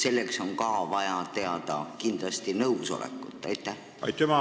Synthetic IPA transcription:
se̞lːe̞kso̞ŋkɑːvɑjɑt̪e̞ɑd̪ɑ̰kind̪̥lɑst̪inɤuso̞̰lḛkːˑut̪ːˑæjt̪ːˑæh | ɑ̰jt̪ːemɑ

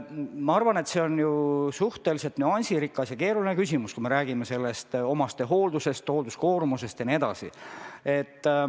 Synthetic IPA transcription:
mɑɑrvɑne̞t̪se̞o̞njusuht̪e̞lise̞lt̪nyɑnʲsiɾikːˑɑsjɑke̞ːɾulinekysʲimuskume̞ɾæːɡ̥imese̞lːe̞st̪o̞mɑst̪eɦo̞ːld̪use̞st̪hoːld̪usko̞ːɾmuse̞st̪jɑnie̞d̪ɑsḭe̞t̪ː

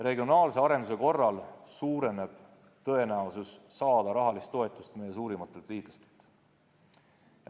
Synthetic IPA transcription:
re̞ɡio̞nɑːlse̞ɑɾe̞nd̪us̬e̞ko̞rːɑlsuːɾe̞ne̞b̥ | t̪ɤ̞e̞næususːɑːd̪ɑɾɑɦɑlist̪ːˑo̞e̞t̪ːˑust̪mejːe̞s̬uːɾimɑt̪ːˑe̞lt̪ːiːt̪lɑ̥st̪e̥lt̪

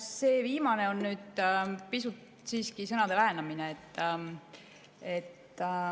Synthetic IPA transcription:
se̞ːviːmɑne̞o̞nːyːd̪̥pisut̪ | siːskisɤnɑd̪̥e̞læɦenɑmineet̪ː | e̞t̪ː

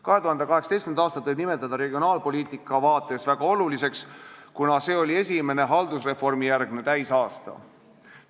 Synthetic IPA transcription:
kɑɦeuhɑnd̪ekɑɦe̞ksɑt̪estkymnɑːst̪ɑt̪ːojbnime̞t̪ːˑɑd̪̥ɑɾe̞ɡio̞nɑːlpo̞liːt̪ˑikːˑɑvɑːt̪ːˑe̞svæɡ̥ɑo̞lulise̞kskunɑse̞ːo̞lʲie̞s̬ʲime̞ne̞ɦɑld̪usre̞fo̞rmijærɡnet̪æjsɑːst̪ɑ̰

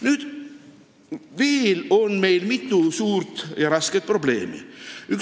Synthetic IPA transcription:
nyːd̪̥ | viːilo̞nme̞jlmit̪ːˑusuːɾt̪jɑɾɑsket̪̚pro̞ble̞̰ːmḭyk

